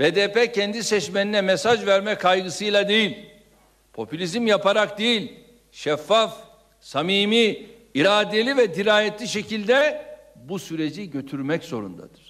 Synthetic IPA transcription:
b̥ed̪eːpɛcʰɛnd̪isɛt͡ʃmeninɛmɛsaʒvæɾmɛkʰajɡɯsɯjlˠad̪ejilʲ | pʰo̞pʰylʲizimjapʰaɾak̚d̪ejilʲ | ʃɛfːaf | samiːmi | iɾaːd̪elʲivɛd̪iɾaːjɛt̪lʲiʃecʰilʲd̪ɛ | busyɾe̞d͡ʒiɟø̞t̪ʰyɾmɛczo̞ɾṵnd̪a̰d̪̥ɯɾ̥

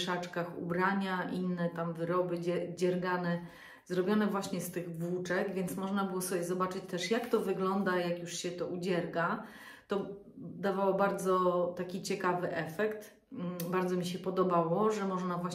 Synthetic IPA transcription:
ʂat͡ʂkaxṵbɾaɲaʔinːɛt̪amvɘɾɔbɘd͡ʑɛd͡ʑɛɾɡanɛ | zɾɔbʲjɔnɛvwaɕɲɛst̪ɘɣvwut͡ʂɛkvʲjɛnt̪smɔʐnabɘwɔsɔbjɛzɔbat͡ʂɘt͡ɕt̪ɛʂjakt̪ɔvɘɡlɔnd̪ajakjuʂɕɛt̪ɔʔud͡ʑɛɾɡa | t̪ɔ | d̪avawɔbaɾd̪zɔt̪akʲit͡ɕɛkavɘʔɛfɛkt̪̩ | baɾd̪zɔmʲiɕ̬ɛpɔd̪ɔbawɔʐɛmɔʐnavwaɕ

